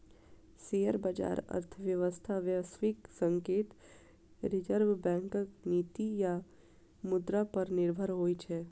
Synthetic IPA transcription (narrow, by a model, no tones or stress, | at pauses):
sejəɾbad͡ʒa̰ːɾə̰ɾt̪ʰəʋjəʋəst̪ʰaʋjəsʋɪksə̃ŋkeːt̪ | ɾɪd͡ʒəɾʋbɛ̃ːŋkəkniːt̪ija | mʊd̪ɾapəɾnɪɾbʱəɾɦoːit͡ʃʰɛː